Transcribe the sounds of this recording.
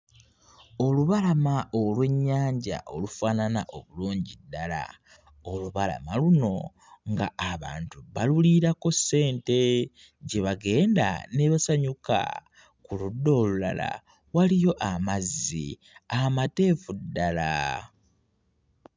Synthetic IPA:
o̞luβalamaʔolweɲːaːɲɟa̰ʔo̞lufaːnanaʔo̞βuluːɲɟidːala̰ | o̞luβala̰maluno̞ | ŋɡa̰ːβa̰ːntuβaluliɾako̞se̞ːnte̞ | ɟe̞βaɡe̞ːnda̰ne̞losaɲuka̰ | kuludːo̞ːlula̰la̰ | walijo̞ʔamazːḭ | amate̞ːfudːala

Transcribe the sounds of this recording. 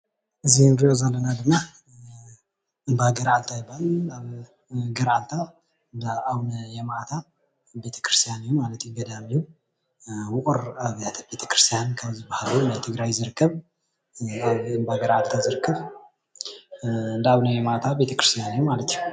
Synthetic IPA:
ʔɨzːihnɾijozalːənad̪ɨmːa | ɨmbaɡəɾalt̪ʰajɪbalaβ | ɡəɾalt̪ʰa | ndəawnəjɛmaʔt̪ʰa | be̞t̪ʰə̥kɾɨ̥st̪ʰijanɨjumalət̪jɡəd̪amiu | wʊkʼuɾaβt̪ʰbe̞t̪ʰə̥kɨɾɨst̪ʰjankʰəzibahlunət̪ʰɨɡɾajzɨɾɨkːəβ | βɨmbaɡəɾalt̪ʰazɨɾɨkʰːəβ | ɨnd̪əaβnəjɛmaʔt̪ʰabe̞t̪ʰəkɨɾɨst̪ijanjumalət̪ɲ

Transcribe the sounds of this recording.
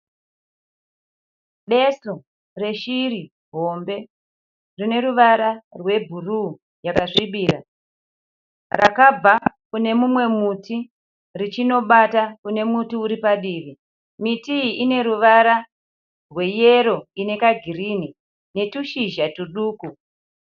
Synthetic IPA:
ɓe̞su | re̞ʃiɾi | ɦo̞mbe̞ | rine̞ɾuʋaɾarwe̞bʱuru | jakaʂiɓiːra̰ | ra̰kab͡va | kune̞mumwe̞muti | rit͡ʃino̞ɓatakune̞mutiuɾipaɗiʋi | mitiiʔine̞ɾuʋaɾa | rwe̞jeɾo̞ine̞kaɡʱirini | ne̞tuʃiʒatuɗuːku

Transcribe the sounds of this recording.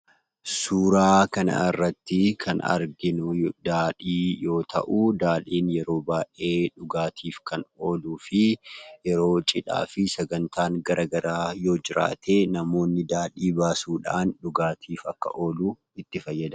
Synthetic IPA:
suːɾaːkɐnɐ̰ɪrːɐt̪ːɪkʰɐnɐ̰ɾɡɪnʊd̪aːᶑiːjo̞ːt̪ʰɐ̰ʔuːd̪aːliːnjɛɾo̞ːbaːʔe̞ːᶑʊɡaːt̪ʰiːfkʰɐno̞ːluːfɪjɛɾo̞ːt͡ʃʼɪᶑa̰ːfɪsɛɡɐnt̪aːŋɡɐɾʔaːɡɐɾaːjo̞ːd͡ʒɪɾa̰ːt̪ʰeːnɐmo̞ːnːɪd̪aːᶑiːbaːsuːᶑaːnᶑʊɡaːt̪ʰiːfɐkːɐ̰ʔo̞ːluː | ɪt̪ːɪfɐjːɐd̪ɐ

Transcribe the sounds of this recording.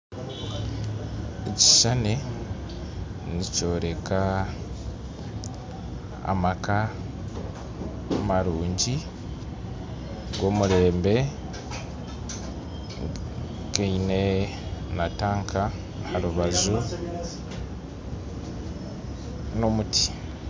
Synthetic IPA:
eci̥ʃane̞ | nico̞ːɾe̞ka | a̰maka | maɾuːɲɟi | ɡwo̞ːmuɾe̞ːmbe̞ | keine̞ | nataːŋkʰa | haɾuβazu | no̞muti̥

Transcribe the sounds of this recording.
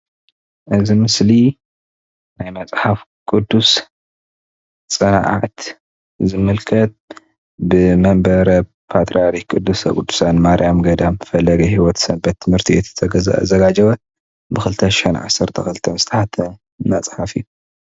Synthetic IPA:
ʔɨzimɨsli | najmɐt͡sʼħafkʼud̪ːus | t͡sʼɐnʕa̰ʕt̪ | zɨmɨlkʰɐt̪̚ | bɨmɐmbɐɾɐ | pʰat̪ʼɾaɾikʼud̪ːusɐkʼud̪ːu̥sanmaɾijamɡɐd̪amɨfɐlːɐɡɐhiwɔt̪sɐmbɐt̪ʰːɨmhɨɾt̪ʰiɛt̪ʰːt̪ʰɐɡ̰zɐɡad͡ʒɐβɐt̪ | bɨxɨlɨt̪ʰɐʃɪ̥ħɛnʕa̰sːɐɾt̪ʰɐxɨlɨt̪ʰɐnzɨ̥t̪ʰɐħat̪ʰɐ | nːat͡sʼħafiu

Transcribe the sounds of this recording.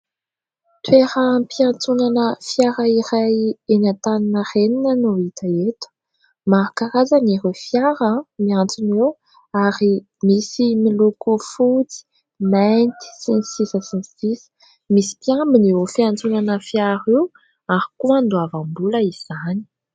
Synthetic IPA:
t̪weɾampiant͡sunanəfjaɾaiɾajenant̪aninəreninənuit̪aet̪u̥ | maɾakaɾazaniɦufjaɾəmiant͡sinew | aɾi | misimilokofut͡si̥ | majnt̪i̥sinisisəsinisisə̥ | misi̥pjambiniofiant͡sunanəfjaɾiw | aɾikuand̪uavambuləiz̥ani̥

